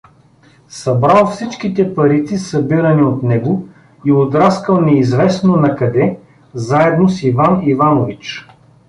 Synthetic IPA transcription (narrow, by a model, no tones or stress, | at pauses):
sɐbɾalˠfsit͡ʃkit̪ɛpɐɾit̪sisɐbiɾɐniot̪nɛɡo | iod̪ɾaskəlˠnɛizvɛsnonɐkɐd̪ɛ | zaɛd̪nosivanivanovit͡ʃ